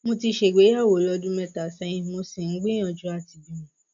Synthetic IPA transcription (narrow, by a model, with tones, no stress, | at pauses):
mo˧ti˧ʃe˨ɡ͡be˨˦a˦˨wo˨˦lɔ˧dũ˦mɛ̃˧ta˨sɛ̃˧jĩ˧mo˧si˨n̩˨˦ɡ͡bĩ˦ɔ̃˨d͡ʒu˦a˦˨ti˨d͡ʒĩ˨˦ũ˨